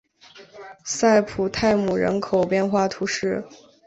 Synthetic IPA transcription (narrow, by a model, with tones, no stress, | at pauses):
sa˥˩ɪpʰu˨˩t̪ʰa˥˩ɪmu˨˩ɻə̰˧˥nkʰo˨˩ʊpjɛ˥˧nxwa˥˩t̪ʰu˧˥ʂɻ̩˥˩